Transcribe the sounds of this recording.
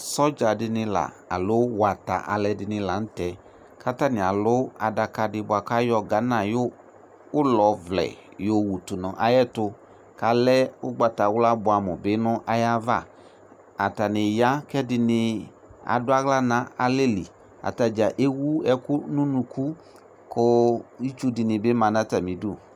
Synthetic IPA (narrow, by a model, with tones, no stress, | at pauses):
sɔ˦d͡ʒa˨dɪ˧nɪ˧la̰˨ | a̰˨lʊ˨˦wa˨ta̰˨ʔa̰˨lɛ˧dɪ˧nɪ̃˧la˨n̩˦tɛ˨ | ka˦ta˦nɪ̃˨a˨lʊ˦a˨da˧ka˧dɪ˧bʊ˨a˨ka˦jɔ˧ɡa˨˦nã˦˨jo˦ | ʊ˦lɔ˨vlɛ̰˨ | jo˦wu˨tu˨nɔ̃˨ʔa˨jɛ˦tʊ˧ | ka˨lɛ˦ʊ˦ɡ͡ba˨ta˨wla˦bʊ˨a˨mʊ˨bɪ˨˦nʊ̃˦ʔa˨ja˦va˦˨ | a˨ta˨nɪ˨ja˦kɛ˦dɪ˨nɪ˨ | a̰˨dʊ˦a˦ɣla˦nã˨˦a˨le˦lḭ˨ | a̰˨ta˨d͡ʒa˨ʔe˦wu˦ɛ˦kʊ˦nũ˦nũ˨ku˦ | kʊ˦i˦t͡ʃu˦dɪ˨nɪ̃˨bɪ˦mã˨nã˦ta˨mĩ˨du˦˨